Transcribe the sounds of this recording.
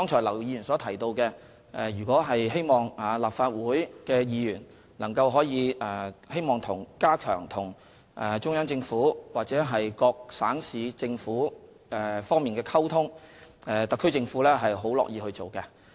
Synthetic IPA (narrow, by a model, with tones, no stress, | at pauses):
t̪ɔː˥ŋt͡ʃʰɔː˨˩lɐ˨˩wjiː˧jyː˨˩nsɔː˨˥t̪ʰɐ˨˩jt̪o˧wkɛ˧ | ʔɛ˨˧jyː˨˩kʷɔː˨˥ɦɐ˨jɦe˥jmɔː˨ŋa˨˩laː˨p̚faː˧t̚wuː˨˥jkɛː˧jiː˧jyː˨˩n | lɐ˨˩ŋkɐ˧wɦɔː˨˥jiː˨˧ɛː˨˩he˥jmɔː˨˩ŋt̪ʰʊ˨˩ŋkaː˥kʰœ̰ː˨˩ŋt̪ʰʊ˨˩ŋ | ʔɛː˨˩t͡ʃʊ˥ŋjɐ˥ŋt͡sɪ˧ŋfuː˨˥waː˨˩t͡sɛː˨˥ɦɐ˨jkɔː˧k̚saː˨˥ŋsiː˨˧t͡sɪ˧ŋfuː˨˥ | ɛ˨fɔː˥ŋmiː˨nkɛː˧kʰɐ˥wt̪ʰʊ˥ŋɛ˨˧t̪ɐ˨kʰːɵ˥jt͡sɪ˧ŋfuː˨˥lɛː˥ɦɐ˨jɦo˨˥wlɔ̰ː˨k̚jiː˧hɵ˧ɥt͡so˨wkɛ˧